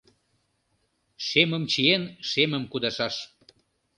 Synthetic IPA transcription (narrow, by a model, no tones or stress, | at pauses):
ʃeməmt͡ɕijenʃemə̆mkud̪ɑʃɑʃ